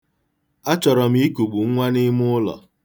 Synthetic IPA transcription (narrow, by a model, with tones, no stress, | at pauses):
a˦t͡ʃɔ˨ɾɔ˨m̩i˦i˦ku˨ɡ͡bu˨ŋ̩˦ŋʷa˦ni˦mʊ˦ʊ˦lɔ̰˨